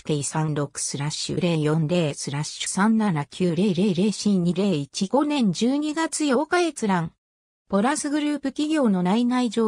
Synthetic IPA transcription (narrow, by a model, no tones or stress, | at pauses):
keisãnɾo̞kɯ̟̥sɨɾaɕːɯ̰ɾe̞ːjõ̞nɾe̞ːsɨɾaɕɯ̥sãnnanakʲʰɨːɾe̞ːɾe̞ːɾe̞ːɕĩɲ̟iɾe̞ːit͡ɕiɡ̥o̞nẽ̞ɲ̟d͡ʑɨːɲ̟iɡat͡sɨjo̞kaɡe̞t͡sɨɾãŋ | po̞ɾasɨɡɯ̟ɾɯ̟ːpɯ̟kʲiɡʲo̞ːno̞nainaid͡ʑo̞ː